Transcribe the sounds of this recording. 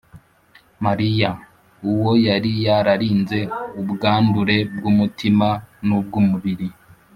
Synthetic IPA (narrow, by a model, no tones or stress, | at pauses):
maɾija | uwo̞jaɾijaɾaɾiːnze̞ubɡaːnduɾe̞bɡuːmutimanub̚ɡuːmuβiɾi